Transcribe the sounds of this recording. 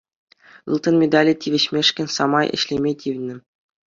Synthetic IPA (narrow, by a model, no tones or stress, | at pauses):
ɯ̰lˠt̪ɤ̆nmʲed̪ɑlʲitʲʰiʋʲɘ̆ɕmʲeʂkʲɘ̆nʲsɑmɑjʔɘ̰̆ɕlʲemʲetʲiʋʲnʲɘ̆